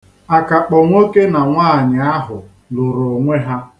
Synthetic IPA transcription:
a˨ka˨k͡pɔ˨ŋʷe˦ke˦na˨ŋʷaː˦˨ɲɪ˨a˦ɦʊ˨ | lʊ˨ɾo˨ŋʷe˦ɦa˦

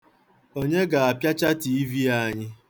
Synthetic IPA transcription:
o˦ɲe˦ɡa˨a˨pja˦t͡ʃa˦ti˨i˦vi˦a˦ɲɪ˦

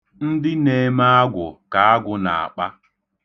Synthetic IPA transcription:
n̩˦dɪ˦ne˦˨˦ma˦a˦ɡʷʊ˨ka˨a˦ɡʷʊ˨na̰˨a̰˨k͡pa˦

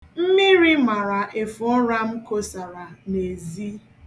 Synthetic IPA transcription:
m̩˦mi˦ɾi˦ma˨ɾa˨ʔe˨fʊ˨ɔ˦ɾa˦m̩˦ko˦sa˨ɾa˨ne˨zi˦

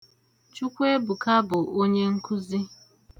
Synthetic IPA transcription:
t͡ʃu˦kʷe˦bu˨ka˦bʊ˨ʔo˦ɲe˦ŋ̩˦ku˦zi˦

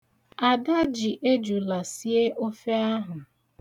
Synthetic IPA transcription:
a˨da˦d͡ʒi˨ʔe˦d͡ʒu˨la˨si˦e˦ʔo˦fe˦a˦ɦʊ˨

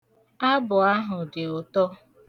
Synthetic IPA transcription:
a˦bʊ˨a˦ɦʊ˨dɪ˨ʊ˨tɔ˦

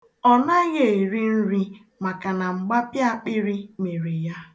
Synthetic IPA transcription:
ɔ˨na˦ɣe˦˨e˨ɾi˦n̩˦ɾi˦ | ma˨ka˨na˨ŋ͡m̩˨ɡ͡ba˦pja˦˨k͡pɪ˦ɾi˦me˨ɾi˨ja˦

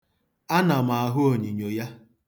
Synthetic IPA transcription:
a˦na˨ma˨a˨ɦʊ˦o˨ɲi˨ɲo˨ja˦

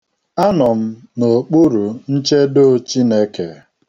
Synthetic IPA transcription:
a˦nɔ˨m̩˦ | no˨k͡pu˦ɾu˨n̩˦t͡ʃe˦do˦˨t͡ʃi˦ne˦ke˨

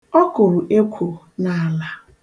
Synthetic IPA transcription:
ɔ˦kʊ˨ɾʊ˨ʔe˦kʷʰu˨ | na˨la˦

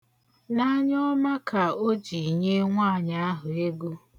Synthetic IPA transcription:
na˦ɲɔ˦ma˦ka˨o˦d͡ʒi˨ɲe˦ŋʷa˦˨ɲa˦a˦ɦʊ˨e˦ɡo˦

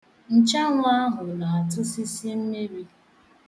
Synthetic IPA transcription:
n̩˦t͡ʃa˦ŋʷʊ˦a˦ɦʊ˨na˨a˨tʊ˦si˦sje˦m̩˦me˦bi˦

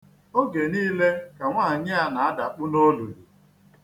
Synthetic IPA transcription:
o˦ɡe˨niː˦le˦ka˨ŋʷaː˦˨ɲɪ˦a˦na˨a˦da˨k͡pʊ˦no˦lu˨ɾi˨

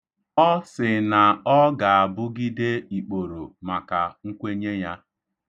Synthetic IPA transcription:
ɔ˦sɪ˨na˨ɔ˦ɡa˨a˨bʊ˦ɡi˦de˦i˨k͡po˨ɾo˨ma˨ka˨ŋ̩˦kʷe˦ɲe˦ja˦

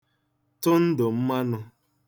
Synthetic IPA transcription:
tʊ˦n̩˦dʊ˨m̩˦ma˦nʊ˦

